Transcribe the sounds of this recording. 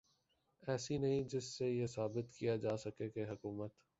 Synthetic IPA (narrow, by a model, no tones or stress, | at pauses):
ɛːsinɐɦĩd͡ʒɪsːejesaːbɪt̪kijad͡ʒaːsɐkekeɦɐkuːmət̪